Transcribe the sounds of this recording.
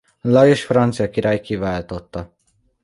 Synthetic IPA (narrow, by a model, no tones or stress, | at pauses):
lɒeʃfrɑnt̪sijɑkiɾʔajkivaːlt̪ot̪ːɒ